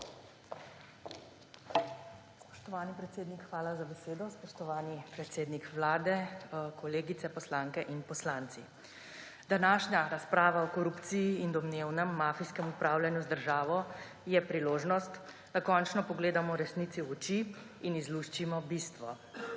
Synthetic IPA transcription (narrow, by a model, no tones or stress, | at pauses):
spɔ̥ʃt̪ɔʋaːnipɾɛt̪seːd̪nikxʋaːlazabɛseːd̪ɔspɔʃt̪ɔʋaːnipɾɛt̪seːd̪nikʋlaːd̪ɛkɔleːɡit̪sɛpɔslaŋkɛʔinpɔslaːnt̪si | d̪̥anaːʃɲaɾaspɾaːʋaɔkɔɾupt̪sijiːnd̪ɔmneːwnɛmːaːfiskɛmupɾaːwlʲjanjuzd̪əɾʒaːʋɔ | jɛpɾiloːʒnɔst̪ | d̪akɔːnt͡ʃnɔpɔɡleːd̪amɔɾɛsnit̪siɔt͡ʃiː | nizluʃt͡ʃimɔbiːst̪ʋɔ